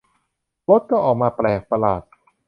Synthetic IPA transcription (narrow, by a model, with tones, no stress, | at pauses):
lo˦˥t̪̚kɔː˥˩ʔɔː˨˩k̚maː˧plɛː˨˩k̚pa˧laː˨˩t̪̚